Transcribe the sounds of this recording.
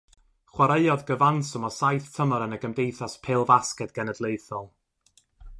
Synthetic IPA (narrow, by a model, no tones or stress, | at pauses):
χwaɾeɨɔdɡəvansɔmɔsajθtʰəməɾənəɡəmdejθaspʰeːlˠvaskɛdɡ̥ɛnɛdlˠejθɔlˠ